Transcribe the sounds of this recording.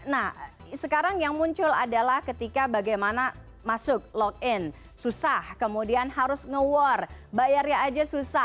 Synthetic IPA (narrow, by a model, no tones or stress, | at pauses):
nah | səkaɾaŋjaŋmuɲt͡ʃʊla̰dalahkət̪ikabaɡajmana | masʊk̚lɔk̚ɪn | susahkəmudianhaɾʊsŋəwɔrbajarɲaːd͡ʒasusa